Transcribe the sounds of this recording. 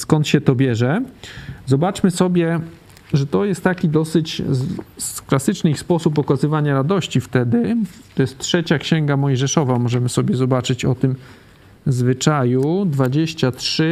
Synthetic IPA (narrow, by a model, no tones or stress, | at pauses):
skɔnt̪ɕɛt̪ɔbʲjɛʐɛ | zɔbat͡ʂmɘsɔbʲjɛ | ʐɛt̪ɔjɛst̪ːakʲid̪ɔsɘt͡ɕ | klasɘt͡ʂnɘixspɔsupɔkazɘvaɲaɾad̪ɔɕt͡ɕift̪ɛd̪ɘt̪ɔjɛst̪tʂɛt͡ɕakɕɛŋɡamɔjʐɛʂɔvamɔʐɛmɘsɔbʲjɛzɔbat͡ʂɘt͡ɕɔt̪ɘm | zvɘt͡ʂajud̪vad͡ʑeɕt͡ɕatʂɘ